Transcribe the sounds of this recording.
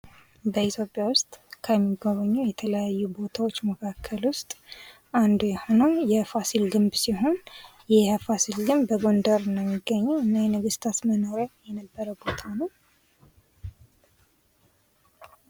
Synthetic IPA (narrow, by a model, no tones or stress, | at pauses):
bəit̪ʰjo̞pʼjawʊst̪ʼkʰəmːiɡoβəɲːujɛt̪ʰələjajːubo̞t̪ʰawo̞t͡ʃːməkʰakʰːəlwʊst̪ʼ | ʔand̪ujɛho̞nəwjɛfasilɡɨmbsiɦo̞njɛfasilɡɨmbəɡo̞nd̪əɾɨnd̪əmːiɡːəɲːɛwɨnːajɛnəɡɨst̪ʰat̪məno̞ɾajɛnəbːəɾəbo̞t̪ʰanəw